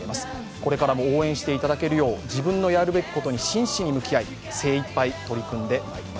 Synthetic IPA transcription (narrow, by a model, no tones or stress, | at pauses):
emasɨ̥ | ko̞ɾe̞kaɾamo̞oːẽ̞ɰ̃ɕi̥t̪e̞it̪ad̪ake̞ɾɯ̟jo̞ːd͡ʑibɯ̟̃nːo̞jaɾɯ̟be̞kʲi̥ko̞t̪o̞ɲ̟iɕĩɰ̃ɕiɲ̟imɯ̟kʲijai | se̞ːipːait̪o̞ɾʲikɯ̟̃nd̪e̞maima